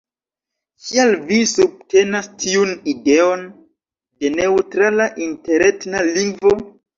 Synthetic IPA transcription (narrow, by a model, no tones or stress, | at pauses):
kialvisub̚te̞nastʰiunide̞o̞n | de̞ne̞utɾalaʔinte̞ɾetnaliŋɡvo̞